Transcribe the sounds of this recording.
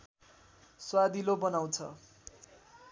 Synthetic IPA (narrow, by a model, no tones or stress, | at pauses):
swad̪ilobʌnaw̃t͡sʰʌ̰